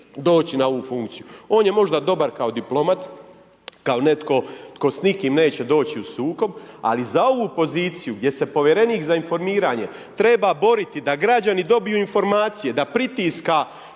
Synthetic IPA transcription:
d̪o̞ːt͡ɕinao̞ʋufuŋkt̪sijuo̞ːnje̞mo̞ʒd̪ad̪o̞baɾkao̞d̪iplo̞mat̪ | kao̞net̪ko̞t̪ko̞snikiːmne̞ːt͡ɕe̞d̪o̞ːt͡ɕiusuːko̞ba̰lizao̞ʋupo̞ziːt̪sijuɡd̪je̞se̞po̞ʋjeɾe̞niːkzainfo̞ɾmiːɾaːɲe̞ | t̪ɾe̞babo̞ɾit̪id̪aɡɾad͡ʑanid̪o̞bijuːinfo̞ɾmaːt̪sije̞d̪apɾit̪iːska

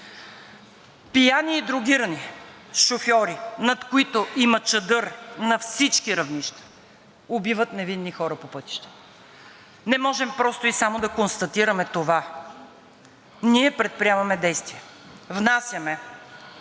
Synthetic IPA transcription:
pijaniːd̪ɾʊɡiɾəni | ʃofjɔɾinɐt̪koit̪oʔimɐt͡ʃɐd̪ɤɾnɐfsit͡ʃkiɾɐvniʃt̪ɐ̥ | obivət̪nɛvinːixɔɾɐpopɤt̪i̥ʃt̪ɛ̥ | nɛmɔʒɛmpɾɔst̪oisamod̪ɐkonst̪ɐt̪iɾɐmɛt̪ova | niɛpɾɛt̪̚pɾiavɐmɛd̪ɛjst̪viɛvnasʲjɐmɛ

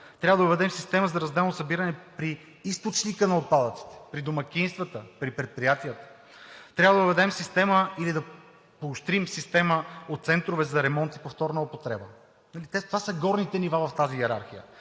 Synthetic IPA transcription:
t̪ɾʲabəd̪ɐʊvɛd̪ɛmsist̪ɛməzɐɾɐzd̪ɛlˠnosɐbiɾɐnɛpɾi | ist̪ot͡ʃnikənɐot̪̚pad̪ət̪si̥t̪ɛ̥pɾid̪omɐkʲinst̪vɐt̪əpɾipɾɛt̪̚pɾijat̪ijət̪ə̥ | t̪ɾʲabvəd̪vɛd̪ɛmsist̪ɛməilid̪ɐ | poːst̪ɾimsist̪ɛməot̪t̪sɛnt̪ɾovɛzɐɾɛmɔnt̪i̥poft̪ɔɾnɐopot̪ɾɛbə | nɐlit̪ɛt̪ovasəɡɔɾnit̪ɛnivavɐft̪aziɛɾa̰ɾxijə̰

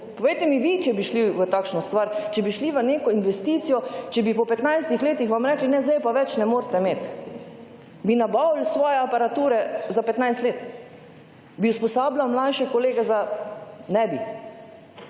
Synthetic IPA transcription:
pɔʋejt̪ɛmiʋit͡ʃɛbiʃliʋət̪akʃnɔst̪ʋaɾt͡ʃɛbiʃliʋəneːkɔinʋɛst̪iːt̪sijɔt͡ʃɛbipɔpɛt̪najst̪ixleːt̪ixʋamɾɛːklinɛzd̪ajpaʋɛt͡ʃnɛmoːɾt̪ɛmeːt̪ | binabawlsʋɔːjɛapaɾat̪uːɾɛzapɛt̪najst̪leːt̪ | biuspɔsaːblawmlajʃɛkoleːɡɛzanɛbi

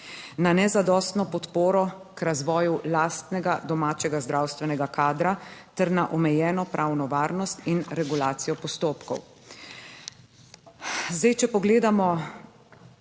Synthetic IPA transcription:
nanɛzad̪ɔːst̪nɔpɔt̪poːɾɔ | kɾazʋɔːjulaːst̪nɛɡad̪ɔmaːt͡ʃɛɡazd̪ɾawst̪ʋɛnɛɡakaːd̪ɾat̪ɛɾnaʔɔmɛjɛːnɔpɾʔaːwnɔʋaːɾnɔst̪inɾɛɡulaːt̪sijɔpɔst̪oːpkɔ̰w | zd̪ajt͡ʃɛpɔɡleːd̪amɔ

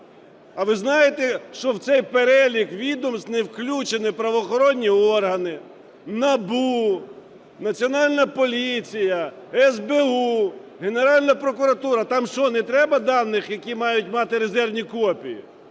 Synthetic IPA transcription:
ɐʋɪznɑjet̪eʃt͡ʃɔwt̪sɛjpeɾɛlʲikʋʲid̪ɔmst̪newklʲut͡ʃenɪpɾɐʋɔːxɔɾɔnʲːiɔrɦɐnɪ | nɐbu | nɐt͡sʲiɔnɑlʲnɐpɔlʲit͡sʲijɐ | ɛzbeuɦe̞ne̞ɾɑlʲnɐpɾɔkʊɾɐt̪uɾɐt̪ɑmʃɔnɛt̪ɾɛbɐd̪ɑnːɪxjɐkʲimɑjʊt̚ʲmɑt̪ɪɾe̞zɛrwnʲikɔpʲijḭ

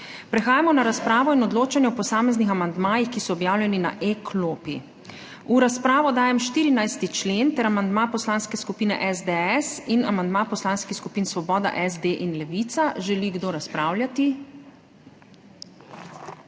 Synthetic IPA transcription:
pɾɛxaːjamɔnaɾaspɾaːʋɔinɔd̪loːt͡ʃanjɛɔpɔsaːmɛznixamand̪maːjixkisɔɔbjaːwljɛnina̰ʔekʰloːpi | uɾaspɾaːʋɔd̪aːjɛmʃt̪iːɾinajst̪it͡ʃleːnt̪ɛɾamand̪mapɔslaːnskɛskupiːnɛ̰ʔɛzd̪eɛsinamand̪mapɔslanskixskupiːnsʋɔbɔːd̪a̰ʔɛzd̪eʔinlɛʋit̪saʒɛliɡd̪oːɾaspɾaːwljat̪i

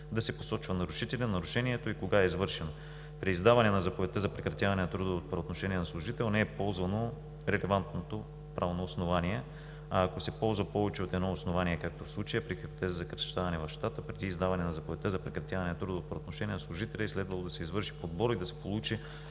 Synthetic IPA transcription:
d̪ɐsɛpo̥sɔt͡ʃvɐnɐɾʊʃit̪ɛlʲɛnnɐɾʊʃɛniɛt̪oikoɡaɛizvɤɾʃɛno | pɾiːzd̪avɐnɛnɐzɐpovɛt̪ɛzɐpɾɛkɾɐt̪ʲjavɐnɛnɐt̪ɾud̪əoːt̪̚pɾɐot̪noʃɛniɛnɐslˠʊʒit̪ɛlˠnɛːɛpɔlˠzvɐno | ɾɛlɛvant̪not̪o | pɾʔavnoːsnovaniɛ | aːkosɛpɔlˠzvɐpɔvɛt͡ʃɛot̪ɛd̪nɔosnovaniɛkak̚t̪ofslˠut͡ʃəjəpɾixio̥t̪ɛzəzɐkɾɐʃt̪avɐnɛvɐfʃt̪at̪əpɾɛd̪iːzd̪avɐnɛnɐzɐpovɛt̪ɛzɐpɾɛkɾɐt̪ʲjavɐnɛnɐt̪ɾud̪oːt̪pɾot̪noʃɛniənɐslˠuʒit̪ɛlʲɛːslɛd̪vɐlˠod̪ɐsɛizvɤɾʃi̥pod̪̚bɔɾid̪ɐsɛ̥polˠut͡ʃi

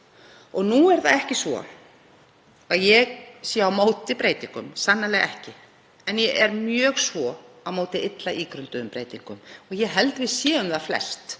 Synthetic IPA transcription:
ɔɣnuɛɾθaðɛhcɪsvɔ̰ | aðjɛɣsjawmoːwt̪ɪpɾejt̪iŋkʏmsanːalɛːɣʔɛhcɪ | ɛnjɛɛɾmjœːɣsvɔawmoːwt̪ɪɪt̪laʔiːkɾʏnt̪ʏðʏmpɾejt̪iŋkʏmɔɣjɛɦɛlt̪vɪðsjɛːʏmðaflɛ̰st̪

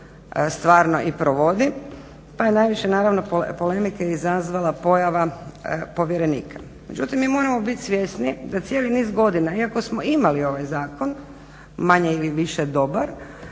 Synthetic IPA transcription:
st̪ʋaːɾno̞ʔipɾoʋo̞d̪i | pajenajʋiʃenaːɾaʋno̞popo̞le̞mikeizazʋalˠapo̞jaʋapo̞ʋjeɾe̞niːkʰḁ | me̞̰d͡ʒut̪imːimo̞ːɾamo̞bit̪ʲsʋje̞snid̪at̪sjeːliniːzɡo̞d̪inaiako̞smoimalio̞ʋajzaːkon | maɲeiliʋiʃed̪o̞baɾ

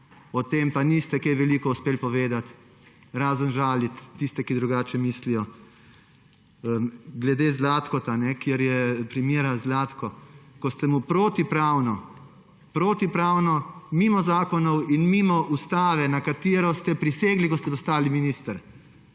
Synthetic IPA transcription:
ɔt̪eːmpanist̪ɛkɛjʋɛliːkɔuspeːlpɔʋeːd̪at̪ | ɾaːzənʒaːlit̪ːist̪ɛkid̪ɾuɡaːt͡ʃɛmiːslijɔ | əɡlɛd̪eːzlaːt̪kɔt̪anɛkjeɾjɛpɾimiːɾazlaːt̪kɔkɔst̪ɛmupɾoːt̪ipɾaːwnɔ | pɾoːt̪ipɾaːwnɔmiːmɔzaːkɔnɔwinmiːmɔʔust̪aːʋɛnakat̪iɾɔst̪ɛpɾiseːɡlikɔst̪ɛpɔst̪aːliminiːst̪əɾ

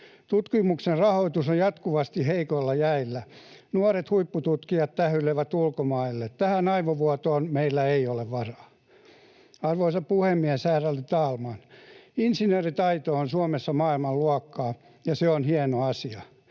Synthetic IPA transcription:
t̪ut̪kimukserrɑhoit̪usojjɑt̪kuʋɑst̪iheikoilːɑjæilːænuɑɾet̪huipːut̪ut̪kijɑt̪t̪æhyleʋæt̪ulkomɑilːett̪æhænɑiʋoʋuɑt̪oːnmeilːæeioleʋʋɑrɑː | ɑrʋoisɑppuhemːiæsæːrælit̪ɑːlmɑninsinøːrit̪ɑit̪oːnsuomesːɑmɑːilmɑlluɑkːɑː | jɑseonhiɛnoɑsiɑ

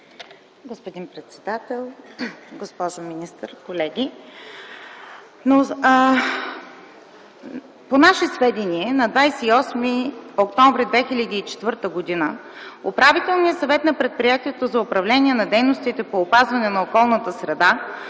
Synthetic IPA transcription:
ɡospod̪inpɾɛt̪sɛd̪at̪ɛlˠɡospɔʒominist̪əɾkolɛɡʲi | no | ponaʃɛsvɛd̪iniɛnɐd̪vajsɛiɔsmiokt̪ɔ̃ɱvɾid̪vɛxilʲəd̪iːt͡ʃɛ̥t̪vɤɾt̪əɡod̪inəopɾavit̪ɛlˠniəsɐvɛt̪nɐpɾɛt̪̚pɾijat̪iɛt̪ozɐʊpɾɐvlɛnʲiɛnɐd̪ɛjnost̪it̪ɛpoːpazvɐnɛnɐokɔlˠnət̪əsɾɛd̪a

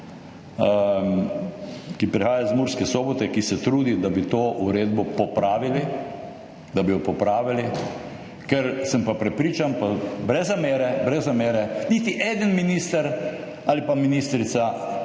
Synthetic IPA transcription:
kipɾixaːjazmuːɾskɛsoːbɔt̪ɛkisɛt̪ɾuːd̪id̪abit̪oːʔuɾeːd̪bɔpɔpɾaːʋili | d̪abijɔpɔpɾaːʋili | kɛɾsəmpapɾɛpɾiːt͡ʃanpabɾɛzːameːɾɛbɾɛzːameːɾɛniːt̪iʔeːd̪ənminiːst̪aɾ | alipaminist̪ɾit̪sa

